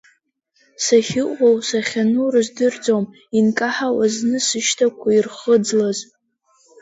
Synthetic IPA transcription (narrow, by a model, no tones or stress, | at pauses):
saχʲɪʔʷʼowsaχʲanurɨzdɨrd͡zom | inkʼaħawaznɨsɨʃtʰakʷʰairχəd͡zlaz